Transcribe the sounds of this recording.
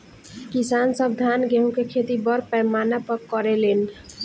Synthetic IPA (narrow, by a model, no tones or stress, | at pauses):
kisansəb̚d̪ʱanɡeɦũkekʰet̪ibʌɾpɛmanapəkːɔɾelen